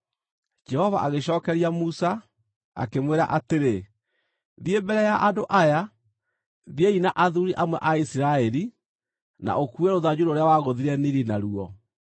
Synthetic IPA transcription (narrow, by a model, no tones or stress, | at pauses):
d͡ʒɛhɔva̰ʔaɣeɕ̬ɔːkɛɾiamusa | a̰kemweɾa̰ʔateɾe | ðiembɛɾɛjaʔadoʔaja | ðjeinaʔaðuɾiʔamwɛ̰ʔaisiɾaɛɾi | na̰ʔokuɛɾoðad͡ʑuɾoːɾeawaɣoðiɾɛniɾinaɾuɔ